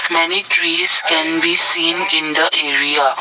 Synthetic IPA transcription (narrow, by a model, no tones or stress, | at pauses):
mɛniʈɾiːskɛ̃nbiːsĩːnɪ̃nd̪əʔeːɾia